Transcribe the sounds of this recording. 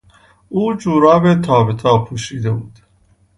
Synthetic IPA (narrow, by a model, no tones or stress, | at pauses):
uːd͡ʒuːɾɒːbet̪ʰɒːbet̪ʰɒːpʰuːʃiːd̪ebuːd̪̥